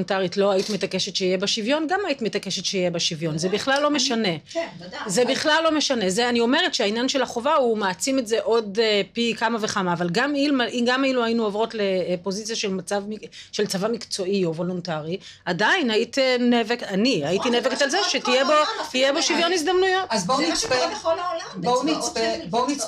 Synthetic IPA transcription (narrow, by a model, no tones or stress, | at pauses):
ntaʁitlo̞aitime̞take̞ʃetʃeijebaʃivjo̞nɡamait̪imet̪ake̞ʃetʃeijebaʃivjo̞nzebiχlalːo̞me̞ʃane̞ | zebiχlalːo̞me̞ʃane̞zeanio̞me̞ʁetʃeainjanʃelaχo̞vaumaːt͡simetze̞ʔo̞d̪pikamave̞χamaːvalɡamilmaʔiɡamailuajinuavʁo̞tle̞pozit͡sjaʃe̞lmat͡savmiʃe̞lt͡savamikt͡so̞io̞vo̞lontaʁi | adainait̪nevekaniajit̪ineveketalzeʃet̪ijebotijebo̞ʃivjo̞niz̬d̪amnujo̞tazbomipe | bomit͡spebonit͡s